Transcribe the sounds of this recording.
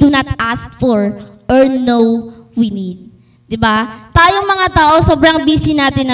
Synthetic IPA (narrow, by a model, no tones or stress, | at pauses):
d̪unɐt̪ʔaskfɔɹʔɔɹnowwinid̪̚ | d̪ɪbat̪aːjoŋmɐŋat̪aːʔo̞so̞ːbɾɐŋbiːsɪnaːt̪ɪn